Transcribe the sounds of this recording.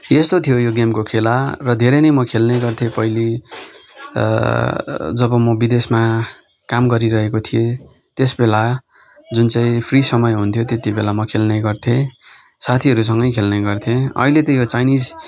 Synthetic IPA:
est̪ot̪ʰijojoɡemkokʰelarʌd̪ʱeɾʌjnʌjmʌkʰelnʌjɡʌrt̪ʰepʌili | d͡zʌbʌmʌbid̪esma | kamɡʌɾiɾʌɦekot̪ʰije | t̪esbela | d͡zunt͡sãĩpʰrisʌmʌjɦunt̪ʰjot̪et̪ibelamʌkʰelnʌjɡʌrt̪ʰẽ | sat̪ʰiʌɾus̬ʌŋɡʌjkʰelnʌjɡʌrt̪ʰẽʌ̰ɦilet̪ʌjot͡sajnid͡z

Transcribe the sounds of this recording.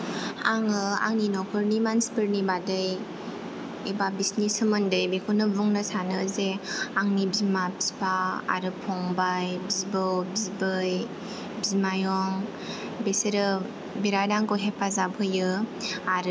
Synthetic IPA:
aŋɯa̰ŋninɔkʰɯɾnimanspəɾnibadɯj | ebabisnisɯmɯndəjbekʰunɯbuŋnasanɯzeaŋnibzimabspaa̰ɾɯpʰɔŋbajbzibɯwbzibɯj | bzimajɔŋ | beseɾɯ | biɾadaŋkoɦepʰazabʰɯjɯaɾ

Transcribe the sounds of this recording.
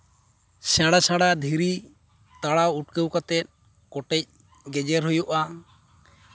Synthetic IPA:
sãɽasãɽad̪ʱiɾi | t̪aɽawuʈ̚kəwkat̪ɛt̪̚ | kɔʈɛc̚ | ɡɛd͡ʒɛɾɦujuʔa

